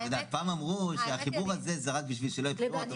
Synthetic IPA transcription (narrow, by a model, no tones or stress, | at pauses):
ed̪aːt̪̚paːmamʁuʃeaχibuʁazezaʁat̪̚biʃvilʃelo̞jit̪ot̪